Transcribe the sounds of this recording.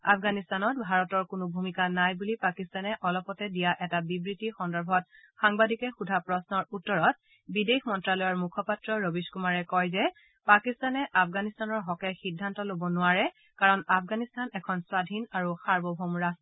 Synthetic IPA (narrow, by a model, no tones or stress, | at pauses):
afɡanistanɔt̚bʱaɹɔtɔɹkʊnʊbʱumikanajbulipakistanɛʔɔlɔpɔtɛdijaʔɛtabibɹitixɔndɔɹbʱɔt̚xaŋbadikɛxudʱapɹɔsnɔɹutːɔɹɔt̚ | bidexmɔntɹalɔjɔɹmukʰɔpatɹɔɹobiskumaɹɛkɔjzɛ | pakistanɛʔafɡanistanɔɹɦɔkɛxidʱːantɔlobɔnʊaɹɛ | kaɹɔnapʰɡanistanɛkʰɔnswadʱinaɹuxaɹbɔbʱɔmɹas